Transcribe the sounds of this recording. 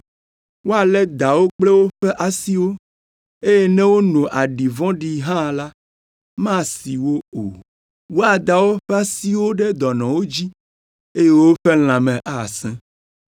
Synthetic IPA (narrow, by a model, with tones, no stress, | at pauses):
wo˦a˨lɛ˦d̪a˨wo˦k͡plɛ˦wo˦ɸɛ˦ʔa˨si˦wo˦ | e˦je˦nɛ̃˦wo˦nũ˨ʔa˨ɖi˨vɔ̃˦ɖi˦ɦã˦˨la˦ | mã˦si˨wo˦o̰˨ | wo˦a˨d̪a˨wo˦ɸɛ˦a˦si˦wo˦ɖɛ˦d̪ɔ˨nɔ̃˨wo˦d͡ʑi˦ | e˦je˦wo˦ɸe˦l̃ã˨mɛ̃˨ʔa˨sɛ̃˦